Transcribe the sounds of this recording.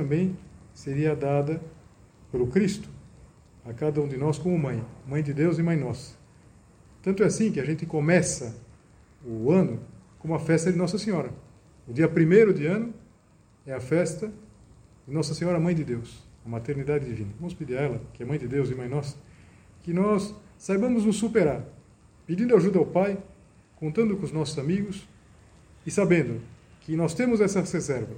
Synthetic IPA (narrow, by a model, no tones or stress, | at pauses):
t̪ɐ̃mbẽj̃seɾiɐd̪ad̪ɐ | poɾʊkɾist̪ʊ̥ | ɐkad̪ɐũd̪ɪnɔskõmʊmɐ̃j̃mɐ̃j̃d̪ɪd̪ewzɪmɐ̃j̃nɔsɐ̥ | t̪ɐ̃t̪ʊɛasĩkɪɐʒẽnt̪ɪkomɛsɐ | ʊɐ̃nʊkõmʊɐfɛst̪ɐd̪ɪnɔsɐsẽɲɔɾɐ | ʊd̪iɐpɾimejɾʊd̪ɪɐ̃nʊ | ɛɐfɛst̪ɐ | d̪ɪnɔsɐsẽɲɔɾɐmɐ̃j̃d̪ɪd̪ewsɐmat̪eɾnid̪ad̪ɪd̪ivĩnɐvɐ̃mʊsped̪iɾɐɛlɐkɪɐmɐ̃j̃d̪ɪd̪ewzɪmɐ̃j̃nɔs | kɪnɔsːajbɐ̃mʊznʊsːupeɾaɾ | pid̪ĩnd̪ʊaʒud̪ɐawpaj | kõnt̪ɐ̃nd̪ʊkõʊznɔsʊzamiɡʊs | ɪsabẽnd̪ʊ | kɪnɔst̪ẽmʊzɛsɐʁezɛɾvɐ